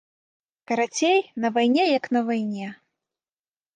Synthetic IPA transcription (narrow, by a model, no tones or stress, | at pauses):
kɐɾat͡sʲejnɐvajnʲɛjɐknɐvajnʲɛ